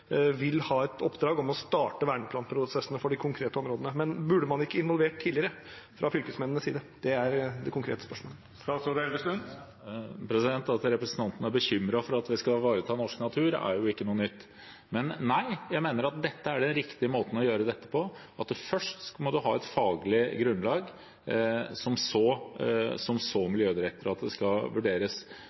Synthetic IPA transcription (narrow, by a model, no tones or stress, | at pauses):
ʋɪlhɑːɛt̪ɔpːd̪ɾɑːɡɔmɔst̪ɑːʈəʋæːɳəplɑːnpʰɾʊsɛsənəfɔɖɪkʰʊŋkʰɾeːt̪əɔmɾoːd̪ənəmɛnbʉɖːəmɑnɪkːəɪnʋɔlʋeːʈt̪ʰːiːlɪəɾə | fɾʔɑfʏlkəsmɛnənəsiːd̪ə | d̪̥ɛæɾd̪ɛkʰʊŋkʰɾḛːt̪ə̥spœʂmoːlə | sod̪ɛlʋəst̪ʉn | pʰɾɛsɪd̪ɛnt̪ɑt̪ɾɛpɾəsənt̪ʰɑnt̪n̩æɾbəçʏmːɾɑfɔɾɑt̪ʋɪskɑʋɑːɾət̪ʰɑːnɔʂknɑt̪ʰʉːɾæ̰ɾjʊɪkːənuːənʏt̪ː | mɛnːæɪjæɪmeːnəɾɑt̪̚d̪ɛt̪ːəæɖɛnɾɪkt̪ɪəmoːt̪n̩ɔjøːɾəd̪ɛt̪ːəpʰɔ | ɑt̪fœʂʈmɔd̪ʉɦɑːɛt̪fɑːɡlɪɡɾʉnlɑːɡ | sɔmsoːsɔmsoːmɪljøːd̪ɪɾɛk̚t̪əɾəɑt̪̚d̪ɛskɑʋʉɖeːɾəs